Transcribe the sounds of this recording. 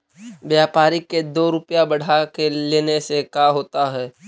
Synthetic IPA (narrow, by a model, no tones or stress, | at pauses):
bjaːpaːɾiked̪oːɾʊpjabɐɽ̤akeleːnesekaːɦoːt̪aɦɛː